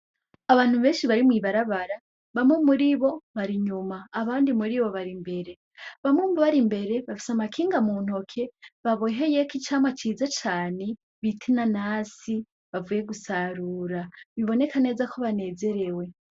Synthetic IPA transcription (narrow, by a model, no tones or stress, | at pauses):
aβaːn̥huβe̞ːnʃiβaɾimwiβaɾaβaɾa | βamumuɾiβo̞βaɾiɲumaːβaːndimuɾiβo̞βaɾimbe̞ɾe̞ | βamumboβaɾimbe̞ɾe̞βafi̥samakʰiːŋɡamuːn̥ho̞kʰe̞βaβoɦejekit͡ʃamwat͡ʃiːzat͡ʃaːne̞ | βitʰinanasi | βavuːje̞ɡusaɾuːɾaβiβo̞ne̞kane̞zakʰo̞βane̞ːze̞ɾe̞we̞